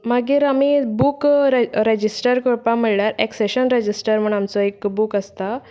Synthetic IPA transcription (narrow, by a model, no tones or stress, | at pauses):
maɡiːɾamibuːkɾed͡ʑisʈəɾkoɾpãmiɭɭaɾekseɕənɾed͡ʑisʈəɾm̤əɳamt͡sɔekbukəst̪a